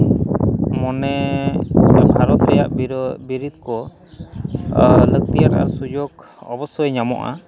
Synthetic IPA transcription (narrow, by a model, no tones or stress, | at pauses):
mɔnɛ | bʱaɾɔt̪ɾɛja̰ʔbiɾid̪kɔ | lək̚t̪ijaʈa̰ʔa̰sud͡ʒɔɡ | ɔbɔsɔjɲamɔ̰ʔa̰